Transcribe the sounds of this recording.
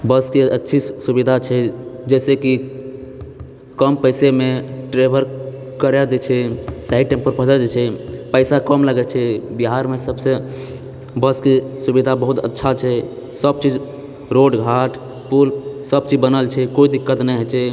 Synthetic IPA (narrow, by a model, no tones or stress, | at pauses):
bəskeətːʃʰisubid̪ʱat͡ʃʰɛd͡ʒɛseki | kəmpəɪsemeʈɾebʱəɾ | kəɾɛd͡ʒ̪et͡ʃʰɛsaɪɖ̚ʈẽmpəɾpəd͡ʒəd͡ʒet͡ʃʰɛpəɪsakəmləɡɛt͡ʃʰɛbiɦaɾmesəbse | bəskesubid̪ʱabəɦut̪ə̰tːʃʰat͡ʃʰɛ | səb̚t͡ʃid͡ʒ | ɾoɖɡʱaʈ | pulsəb̚t͡ʃid͡ʒbənəlt͡ʃʰɛkoid̪ikːət̪nɛɦɛt͡ʃʰɛ